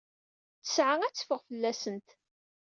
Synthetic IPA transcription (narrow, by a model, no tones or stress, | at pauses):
t͡sə̥sʕaŋæt͡sːə̥fəʁfəlːæsənt̪